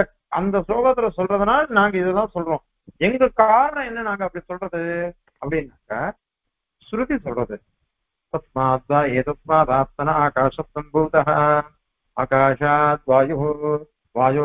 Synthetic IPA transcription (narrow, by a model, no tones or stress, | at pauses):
ɐ | ɐnd̪ɐsloːɡɐt̪ːɐɾɐsɔlɾɐd̪ɐnaːnãːŋɡɐid̪ɐlaːsɔlɾõː | eŋɡɐkaːɾɐɳɐenːɐnaːŋɡɐɐpːɽisɔlɾɐd̪ɨ | ɐpɽinaːŋɡɐ | sɾut̪isɔlɾɐd̪ɨ | t̪ɐt̪̚maːd̪aːeːt̪ɐt̪̚maːt̪aːst̪ɐnɐaːkaːʃɐt̪sɐmbʱuːt̪ɐɦɐ | a̰ːkaːʃat̪̚ʋaːjuɦu | ʋaːju